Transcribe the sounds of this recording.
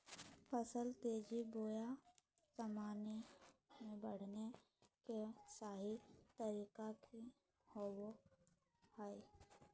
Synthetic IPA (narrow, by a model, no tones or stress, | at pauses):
pʰəsəlt̪eːd͡ʒiboːja | səmaːnemẽbəɽ̤ne | kesaːɦit̪əɾiːkaki | howo | hai